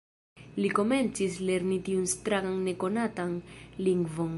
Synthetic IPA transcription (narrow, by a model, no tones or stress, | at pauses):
liko̞me̞nt͡sisleɾnitiunst̪ɾaɡaŋneko̞natanliŋɡvon